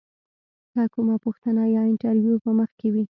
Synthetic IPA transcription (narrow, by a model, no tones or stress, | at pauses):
d̪akumapuxt̪anajɑɪɳʈaɾwjupəməxkewi